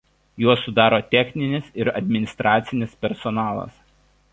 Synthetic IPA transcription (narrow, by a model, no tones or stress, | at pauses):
juɔsːʊd̪ɑːɾoːt̪ʲɛxʲnʲɪnʲɪsɪɾɐd̪ʲmʲɪnʲɪst̪ɾʔɑːt̪sʲɪnʲɪspʲɛɾsɔnɑːlˠɐ̰s